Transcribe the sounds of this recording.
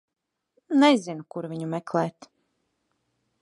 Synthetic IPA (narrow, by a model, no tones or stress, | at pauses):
nɛzʲinukuɾvʲiɲumɛklˠɛːt̪